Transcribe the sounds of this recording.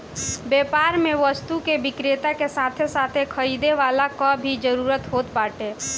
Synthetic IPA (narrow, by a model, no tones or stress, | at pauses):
beːpaːɾmẽʋəst̪ukeʋɪkɾeːt̪akesaːt̪ʰesaːt̪ʰekʰəɾiːd̪eʋaːlakɔbʱid͡ʒəɾuːɾət̪ɦoːt̪paːʈeː